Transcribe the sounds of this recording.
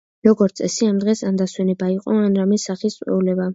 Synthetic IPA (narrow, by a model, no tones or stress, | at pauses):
ɾɔɡɔɾt̪sʼɛsiamd̪ʁɛsand̪aswɛnɛbaiqʼɔanɾamɛsaχist̪sʼwɛ̰ulɛba